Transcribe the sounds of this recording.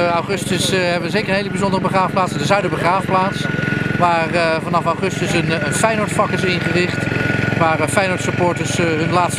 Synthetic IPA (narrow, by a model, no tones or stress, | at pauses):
awχɵstəsɦɛbəʋəzejkəɹənɦejləbizɔndərəbəχraːfplaːtsəndəzœɥdəbəχraːfəplaːtsʋaːrvɑnɑfɑwχɵstəsənənfɛjnɔɹtfɑkɪs̬ɪnχərɪχtʋaːɹəfɛjnɔɹtsəpoːɹtəɹsɦɵnlaːtst